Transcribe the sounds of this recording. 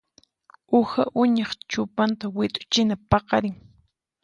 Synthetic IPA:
ʊha̰ʔʊɲɑχt͡ʃʊpant̪awɪt̪ʼʊ̥t͡ʃɪnapɑqɑɾɪŋ

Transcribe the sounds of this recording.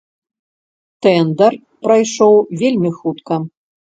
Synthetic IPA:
t̪ɛnd̪ɐr | pɾajʂɔwvʲelʲmʲixut̪kɐ

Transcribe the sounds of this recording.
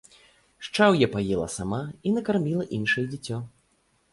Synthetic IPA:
ʂt͡ʂawjɛpajɛlˠɐ̰samainɐkarmʲilˠɐʔinʂɨjɛd͡zʲit͡sʲːɔ

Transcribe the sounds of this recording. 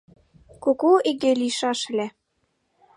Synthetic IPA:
kokoiɡeliʃɑʃɘ̆lʲe

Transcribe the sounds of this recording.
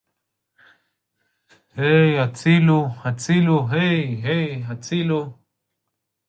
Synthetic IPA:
hejat͡siluat͡siluɦejɦejat͡silu

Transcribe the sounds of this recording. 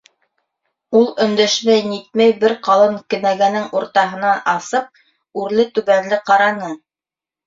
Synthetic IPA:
ulˠɵ̆nd̪æʃmæjnit̪̚mæjbɘɾqɑlˠɤŋkɘ̆næɡænɘŋuɾt̪ɑɦɤ̆nɑnɑsɤp̚ | ʉɾlɘt̪ʉβænlɘqɑɾɑnɤɴ

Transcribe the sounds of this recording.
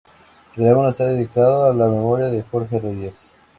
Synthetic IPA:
aɣunest̪aðeðikaðoalame̞moɾjaðexoɾxereʝes

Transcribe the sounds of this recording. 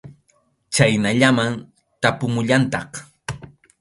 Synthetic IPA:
t͡ʃajnaʎaman | t̪apʊmʊʎant̪ɑχ

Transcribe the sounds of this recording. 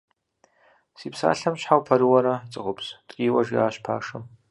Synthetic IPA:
siːpʰsa̰ːɬɐmɕħawpʰɐɾɨwɐɾɐt͡sʼɨqʼʊpʰstʼkʲʼiːwɐʒiaːɕpʰa̰ːʂɐm

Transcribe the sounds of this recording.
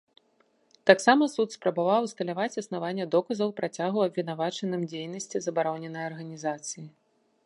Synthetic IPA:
t̪aksamɐsut̪spɾɐbavawst̪ɐlʲavat͡sʲɐsnavanʲːɛd̪ɔkɐzɐwpɾat͡sʲaɣuɐbvʲin̪avat͡ʂɐnɨmd͡zʲejnɐsʲt͡sʲizɐbaɾɔnʲɛnːɐjɐrɣɐnʲizat̪sɨji

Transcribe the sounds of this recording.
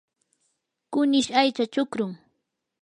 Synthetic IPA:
kʊnɪʃajt͡ʃat͡ʃʊkɾʊŋ

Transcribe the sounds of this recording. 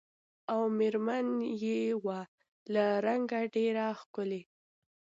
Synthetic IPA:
awmeɾmanjewa | laɾaŋɡaɖeɾaxkʊle

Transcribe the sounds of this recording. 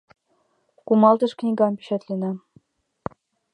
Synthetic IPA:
kumɑlˠt̪ɤ̆ʃknʲiɡɑnpi̥ɕæt̪lʲĕnæ

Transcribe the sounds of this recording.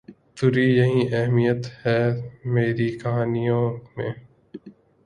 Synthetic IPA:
t̪ʊɾiːjɐɦĩːʔɛɦmijət̪hɛːmeːɾiːkɐɦaːnijõːmẽː

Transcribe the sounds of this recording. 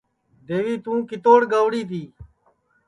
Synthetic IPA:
d̪eːɡiːt̪ũːkit̪oːɽɡawɽiːt̪iː

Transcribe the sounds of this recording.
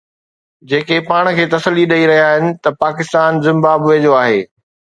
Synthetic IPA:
d͡ʑeːkepaːɽ̃̆kʰeːt̪ɐsəlːiɗɐiɾɐɦijaːɦɪnɪ̆t̪ɐpaːkɪst̪aːnzɪ̃mbaːbʋeːd͡ʑoaːɦeː

